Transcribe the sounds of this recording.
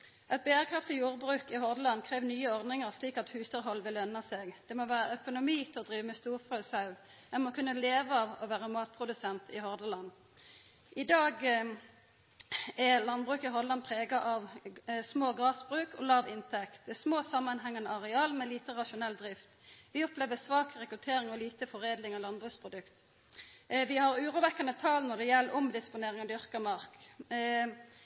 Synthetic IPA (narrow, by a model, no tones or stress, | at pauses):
ʔɛt̪̚beːəʁkʰʁɑft̪ɪjuːʁbʁʉːkɪɦɔʁd̪əlɑnkʰʁeːʋnyːəɔʁd̪nɪŋəʁsliːkɑt̪hʉːsɑʁɦɔlːʋɪlœnːɑsɛɡd̪̥ɛmɔʋæːʁəœkʊnʊmiːt̪ʰɪlɔd̪ʁiːʋəmɛst̪uːʁfʁɑʉsɑʉ | ɛnmɔkʰʉnːəleːʋəɑʋɔʋæːʁəmɑːt̪̚pʰʁʊd̪ʉsɛnt̪ɪhɔʁd̪əlɑnː | ʔɪd̪ɑːɡ | ɛlɑnbʁʉːkɪɦɔd̪lɑnpʰʁeːɡɑʔɑʋsmoːɡʁɑːsbʁʉːkʰɔ̰lɑːʋɪnt̪ʰɛkt̪smoːsɑmːɑnɦɛŋɑnəɑʁɛɑːlmɛliːt̪əʁɑʃʊnɛld̪ʁɪft̪ʋɪɔpleːʋəsʋɑːkʁɛkʁʉt̪ʰeːʁɪŋɔliːt̪əfɔʁeːd̪lɪŋɔlɑnbʁʉːspʰʁʊd̪ʉkt̪ | ʋɪhɑʁʉːʁuːʋɛkːɑnət̪ʰɑlnɔʁd̪ɛjɛlːʔʊmd̪ɪspʊneːʁɪŋɔd̪ʏʁkɑmɑʁk